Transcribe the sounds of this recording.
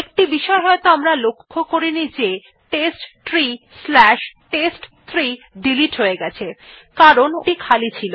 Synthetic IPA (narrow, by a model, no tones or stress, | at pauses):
ek̚ʈibiʃɔeɦɔet̪oamɾalokʰːokoɾinid͡ʑe | ʈesʈt̪ɾi | slɛʃʈesʈt̪ʰɾi | ɖiliʈɦoeɡɛt͡ɕʰe | kaɾonʈikʰalit͡ɕʰilo